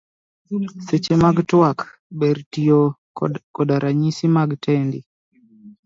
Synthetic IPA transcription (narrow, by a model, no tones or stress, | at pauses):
set͡ʃemaɡtwak | beɾtio | kɔdaɾʔaɲisimaɡtʰɛndḭ